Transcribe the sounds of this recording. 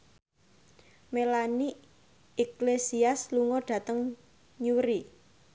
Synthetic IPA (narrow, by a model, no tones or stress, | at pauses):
melani | iklesiasluŋɔɖ̥ä̤t̪əŋ | ɲuɾi